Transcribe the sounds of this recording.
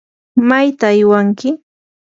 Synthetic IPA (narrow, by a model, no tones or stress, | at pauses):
majt̪aːjwaŋkɪ